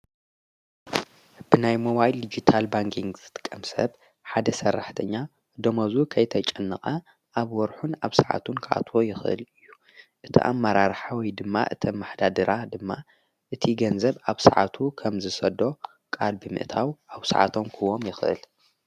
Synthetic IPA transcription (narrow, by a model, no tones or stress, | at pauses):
b̥ɨnajmoβajld̪id͡ʒit̪ʰalbaŋkʰiŋɡzɨt̪ʰɨ̥kʼːɐmsɐ̰β | ħad̪ɐsɐrːaħt̪ʰɐɲːa | d̪omɐzukʰɐjt̪ʰɐt͡ʃʼɨnːɨχʼɐ | ʔaβwɔɾħunaβsaʕa̰t̪ʰunkʰɨʔa̰t̪ʰwo̞jɪxʔɨ̰lɨjːu | ʔɨt̪ʰḭʔa̰mːɐɾaɾħawɔjd̪ɨmːa̰ʔɨ̰t̪ʰomːaħd̪ad̪ɨɾʔad̪ɨmːa | ʔɨt̪ʰiɡɐnzɐβaβsaʕa̰t̪ʰukʰɐmzɨsɐd̪o̞ | kʼalbɨmɨ̰ʔt̪ʰawʔaβsa̰ʕa̰t̪ʰo̞mkʰɨwomjɪxʔɨ̰l